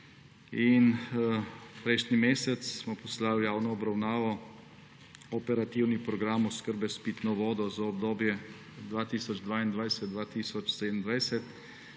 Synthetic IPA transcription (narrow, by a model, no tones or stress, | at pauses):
in | pɾɛʃnimeːsɛt̪ssmɔpɔslaljaːwnɔːbɾawnaːʋɔ | ɔpɛɾat̪iwnipɾɔɡɾaːmɔskəɾbɛspit̪nɔʋɔːd̪ɔzaɔb̚d̪oːbjɛ | d̪ʋaːt̪iːsɔd͡ʒd̪ʋaːind̪ʋajsɛd̪̚d̪ʋaːt̪iːsɔt͡ʃsed̪ənd̪ʋajsɛt̪